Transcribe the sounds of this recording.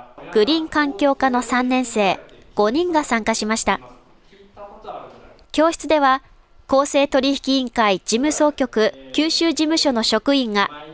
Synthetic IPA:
ɡ̥ɯ̟ɾʲĩŋkãŋkʲo̞ːkano̞sãnːẽ̞ɰ̃se̞ː | ɡ̥o̞ɲ̟ĩŋɡasãŋkaɕimaɕi̥t̪a | kʲo̞ːɕi̥t͡sɨd̪e̞βa | ko̞ːse̞ːt̪o̞ɾʲiçi̥kʲĩːŋkaid͡ʑimɯ̟so̞ːkʲo̞kɯ̟kʲɨːɕɨːd͡ʑimɯ̟ɕo̞no̞ɕo̞kɯ̟ĩŋɡa

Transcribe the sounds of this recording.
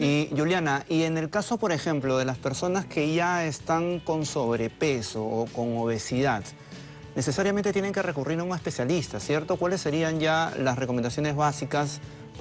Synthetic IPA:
iʝuljanaʔie̞ne̞lkaso̞po̞ɾe̞xe̞mplo̞ðe̞laspe̞ɾso̞naske̞ʝae̞st̪aŋko̞nso̞βɾe̞pe̞so̞ːko̞ŋo̞βe̞siðað | ne̞se̞saɾjament̪et̪jene̞ŋke̞re̞kuriɾuŋaespe̞sjalist̪asje̞ɾt̪o̞kwale̞sːe̞ɾianʝalasre̞komend̪asjo̞ne̞zβasikas

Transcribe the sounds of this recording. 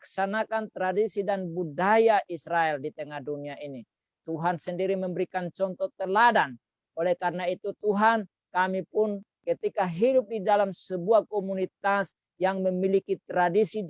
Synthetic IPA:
ksanakant̪ɾadisidanbudajaʔisɾaɛldit̪əŋahduniaʔini | t̪uɦansəndiɾiməmbəɾikant͡ʃɔnt̪ɔt̪əladan | olɛkarnait̪ut̪uɦan | kamipunkət̪ikaɦidʊp̚didalamsəbuakɔmunit̪as | jaŋməmilikit̪ɾadisi

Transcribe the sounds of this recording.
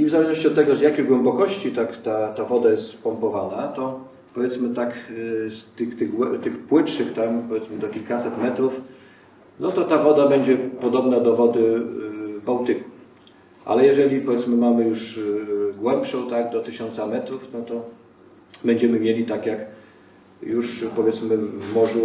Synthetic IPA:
ivzalɛʐnɔɕt͡ɕiɔt̪t̪ːɛɡɔzjakʲeɣɡwɛmbɔkɔɕt͡ɕit̪akt̪at̪avɔd̪ajɛst̪spɔmpɔvanat̪ɔ | pɔvʲɛt̪smɘt̪akst̪ɘxt̪ɘɣɡwɛt̪ɘxpwɘtʂɘxt̪ampɔvʲjɛt̪smɘd̪ɔkʲilkasɛt̪mɛt̪ɾuf | nɔt̪ɔt̪avɔd̪abɛɲd͡ʑɛpɔd̪ɔbnad̪ɔvɔd̪ɘ | bawt̪ɘku̥ | ʔa̰lɛjɛʐɛlʲipɔvʲjɛt̪smɘmamɘjuʂ | ɡwɛmpʂɔ̃w̃t̪aɡd̪ɔt̪ɘɕɔnt̪samɛt̪ɾufnɔt̪ɔ | bɛɲd͡ʑɛmɘmʲjelʲit̪akʲjak | juʂpɔvjɛt̪smɘvmɔʐu

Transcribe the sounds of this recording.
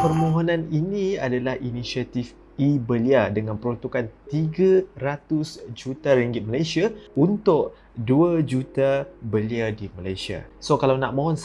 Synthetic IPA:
pərmõɦɔnãninĩadalahinisiat̪if | ibəliadəŋanpəɾɔnt̪ukant̪iɡaɾat̪ʊsd͡ʒut̪aɾiŋɡɪt̪̚malajsiaunt̪ʊʔ | duad͡ʒut̪abəliadimalajsia̰sokalawnaʔmõɦɔns

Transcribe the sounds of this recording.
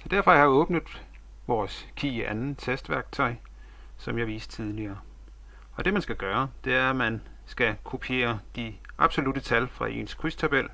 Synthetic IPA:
ɒd̥æɐ̰fɒ̽jɑhɑ̈ɔ̽ːb̥nəðˠ | ʋɒːskʰiːʔænn̩t͡sʰesd̥ʋæɐɡ̥̚t͡sʰɒ̽ɪ̰ | sɒ̽mjɑ̈ʋiːsd̥t͡sʰið̞ˠliɐː | ɒ̽d̥e̝mænsɡ̥æɡ̥ɶːɐd̥e̝æɐmæn | sɡ̥ækʰopʰie̝̰ːɐd̥iʔɑ̈b̥so̝lud̥ət͡sʰælfʁɑ̈ʔe̝̰ːnskʰʁyst͡sʰæb̥el̰

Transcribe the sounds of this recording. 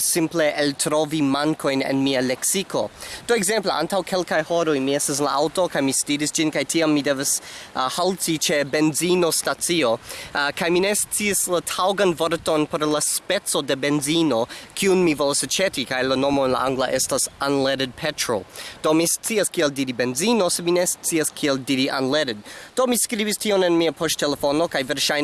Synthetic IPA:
simple̞ʔeltɾovimaŋkʰo̞jnḛnmialeksiko̞d̥oeɡze̞mpleʔa̰ntawkʰe̞lkajhoɾojmiestas̬la̰awto̞kajmistiɾisd͡ʒinkajtʰiamːide̞vashaltit͡ʃe̞be̞nzino̞stat͡siokajmine̞st͡siaslatʰawɡanvoɾtonpoɾlaspet͡sode̞be̞nzino̞kʰiunmivolasat͡ʃetikajlano̞moenla̰aŋɡlaʔestasanleɾed̚pʰetɾo̰d̥o̞mist͡siaskieldiɾibe̞nzino̞semine̞st͡siaskʰieldiɾiʔanleɾed̚d̥o̞miskɾibistʰionenmiapʰoʃtʰelefo̞no̞kajveɾʃaj

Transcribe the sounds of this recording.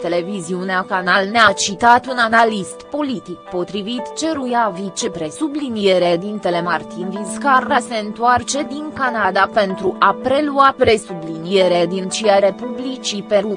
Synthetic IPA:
t̪e̞le̞viziuneakanalneat͡ʃit̪at̪unanalist̪po̞lit̪ikpo̞t̪ɾivit̪t͡ʃe̞ɾujavit͡ʃepɾe̞sublinijeɾed̪int̪e̞le̞mart̪inviskarase̞ɨnt̪uart͡ʃe̞d̪iŋkanad̪ape̞nt̪ɾuʔapɾe̞luapɾe̞sublinie̞ɾed̪int͡ʃiaɾe̞publit͡ʃipeɾu

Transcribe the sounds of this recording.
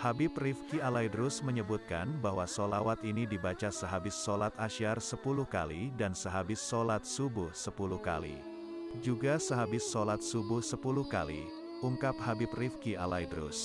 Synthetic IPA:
habɪprifkialajdɾʊsməɲəbut̪̚ka̰nbaɦwasolawat̪inidibat͡ʃasəɦabɪsːolat̪aʃarsəpuluhka̰lidansəɦabɪsːolat̪̚subʊhsəpuluhka̰lḭ | d͡ʒuɡasəɦabɪsːolat̪̚subʊhsəpuluhka̰lḭ | uŋkap̚habɪp̚rifkialajdɾʊ̰s

